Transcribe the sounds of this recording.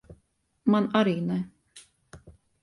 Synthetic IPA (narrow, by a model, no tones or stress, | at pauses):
manaɾiːnɛ